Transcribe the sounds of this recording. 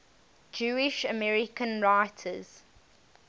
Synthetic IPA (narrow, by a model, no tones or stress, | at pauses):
d͡ʒuːɪʃəmɛɹɪkə̃nɹaɪtʰəz̥